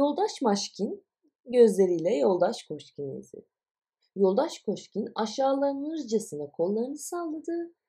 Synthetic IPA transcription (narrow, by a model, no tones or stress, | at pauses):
jo̞lˠd̪aʃmaʃcʰin | ɟø̞zlʲe̞ɾijlʲɛjo̞lˠd̪aʃkʰo̞ʃciniḭzḛd̪ɪ̥ | jo̞lˠd̪aʃkʰo̞ʃcinaʃaːlˠaɾmɯzd͡ʒesinɛkʰo̞lˠːaɾɯnɯsalˠːad̪ɯ